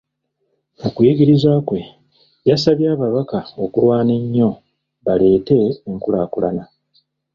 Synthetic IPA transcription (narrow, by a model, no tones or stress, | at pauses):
ukujiɡiɾizwakwe̞ | jasaβjaːβaβakao̞kulwaːne̞ɲːo̞ | βale̞ːte̞ːŋkulaːkula̰na